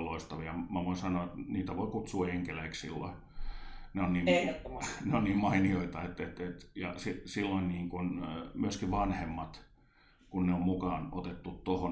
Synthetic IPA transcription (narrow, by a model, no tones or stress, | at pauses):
loist̪ɑʋiɑmæʋoinsɑnoet̪niːt̪æʋoikut̪suːeŋkeleikssilːo̰i | neonniːn | neonniːmmɑinioit̪ɑet̪et̪et̪jɑ̰sisilːoinniːŋkunmyøskiʋɑnhemːɑt̪ | kunneommukɑːnot̪et̪ːut̪t̪oho